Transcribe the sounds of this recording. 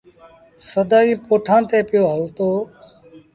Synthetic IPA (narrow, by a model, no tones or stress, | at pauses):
səd̪aːĩːpoːʈʰãːt̪eːpɪjoːɦəlt̪oː